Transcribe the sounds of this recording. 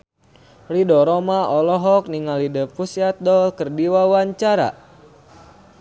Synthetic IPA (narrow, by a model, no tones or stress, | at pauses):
lidɔɾɔmaɔlɔɦɔk̚niŋalidəpusat̪̚dɔlkərdiwawaɲt͡ʃaɾa̰